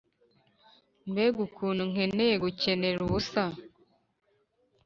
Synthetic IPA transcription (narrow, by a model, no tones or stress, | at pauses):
nbeːɡukʰuːnuŋ̥enejeɡuceneɾuβusa